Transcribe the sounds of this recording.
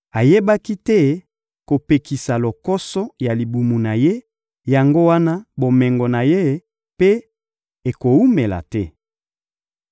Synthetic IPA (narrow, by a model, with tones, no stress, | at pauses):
a˨je˦ba˦ki˦tɛ˦ | ko˨pe˨ki˨sa˨lo˨kɔ˦sɔ˦ja˨li˨bu˨mu˨na˨je˦ | ja˨ŋɡo˦wa˦na˦bo˨mɛ˨ŋɡɔ˨na˨je˦ | pe˦ | e˨ko˨u˦me˨la̰˨tɛ˦